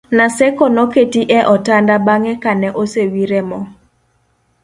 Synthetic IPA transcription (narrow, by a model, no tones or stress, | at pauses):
nasɛkɔnɔketiʔɛʔɔtandabaŋɛkanɛʔosewiɾɛmɔ